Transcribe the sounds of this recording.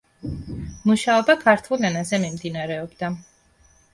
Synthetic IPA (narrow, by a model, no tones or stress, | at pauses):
muʃaɔbakʰaɾt̪ʰulɛnazɛmimd̪inaɾɛɔbd̪a